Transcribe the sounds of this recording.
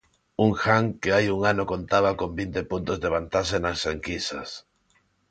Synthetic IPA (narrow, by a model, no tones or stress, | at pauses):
uŋxaŋkeajuŋanokont̪aβakõmbint̪epunt̪ozðeβ̞ant̪asenasːeŋkisa̰s